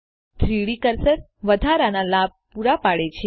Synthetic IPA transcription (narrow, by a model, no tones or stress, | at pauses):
t̪ʰɾiɭikəɾsəɾ | ʋəd̪ʱaɾanalab̚puɾapaɭet͡ʃʰe